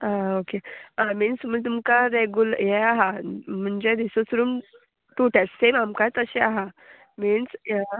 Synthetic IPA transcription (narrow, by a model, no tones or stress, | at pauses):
ãokeamiːnsm̤ət̪̬umkaɾeɡjuljɛaɦam̤əɳd͡ʑed̪isosuɾuːm | t̪uʈat͡ssemamkajt͡s̪əɕeaɦa | miːns